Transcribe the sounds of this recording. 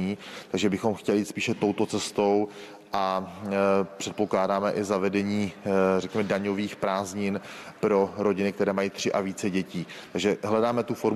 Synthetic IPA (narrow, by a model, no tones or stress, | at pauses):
iːt̪aɡʒɛbɪxo̞mxcɛlɪit̪spiːʃɛt̪owt̪o̞t͡sɛst̪o̞w | ʔa | pr̝̥ɛt̪̚po̞klaːdaːmɛʔɪzavɛdɛɲiːrɛkɲɛmɛdaɲo̞viːxpɾaːzɲɪnpɾo̞ɾo̞ɟɪnɪk̚t̪ɛɾɛːmajiːt̪r̝̥ɪʔaviːt͡sɛɟɛciːt̪aɡʒɛɦlɛdaːmɛt̪ufo̞ɾ